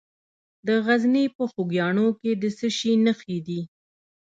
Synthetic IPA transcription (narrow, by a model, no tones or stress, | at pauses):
d̪əɣaznepəxuɡjɑɳoked̪əsəʃinəxid̪i